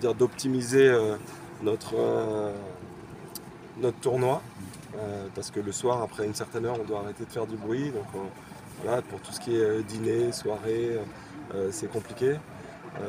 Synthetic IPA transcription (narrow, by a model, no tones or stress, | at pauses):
d̪iʁd̪ɔpt̪imizeø | nɔt̪χø | nɔt̪χət̪uʁnwa | øpaʁsə̥kələswaʁapχɛynsɛʁt̪ɛnœʁɔ̃d̪waːʁet̪ed̪əfɛʁd̪ybʁɥid̪ɔ̃kø | vwa̰lapuʁt̪u̥sə̥kʲiɛød̪ineswaʁeø | øsɛkɔ̃plikʲe | ø̰